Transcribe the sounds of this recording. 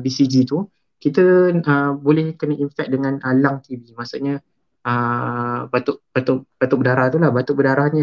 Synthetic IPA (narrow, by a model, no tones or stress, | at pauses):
bisid͡ʒit̪u | kit̪əəbolɛhkənəʔinfɛk̚dəŋãnalaŋt̪ivimasoʔɲa | ə | bat̪ʊʔb̥at̪oʔb̥at̪uʔbədaɾaht̪ulahbat̪ʊʔbədaɾahɲə